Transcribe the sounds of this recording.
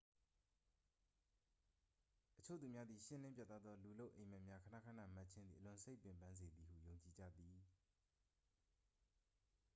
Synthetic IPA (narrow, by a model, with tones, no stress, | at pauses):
ʔət͡ɕʰo̰˦˨u˨mja˦d̪ði˨ʃɪ̰̃˦˨lɪ̃˦pja̰˦t̪ːa˦d̪ðɔ˦lu˨lo˦ʊʔẽ˨ma˦ʔmja˦kʰəna̰˦kʰa˦na̰˦˨ma˦ʔt͡ɕʰɪ̃˦nd̪i˨ʔəlʊ̃˨se˦ɪpjɪ̃˨mpã˦nze˨d̪i˨hṵ˦˨jõ˨ʊ̃ɲt͡ɕi˨d͡ʑä̰˦˨d̪i˨